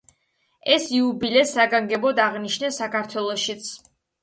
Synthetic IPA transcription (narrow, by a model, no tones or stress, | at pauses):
ɛsiubilɛsaɡaŋɡɛbɔd̪aʁniʃnɛsakʰaɾt̪ʰwɛlˠɔʃit̪sʰ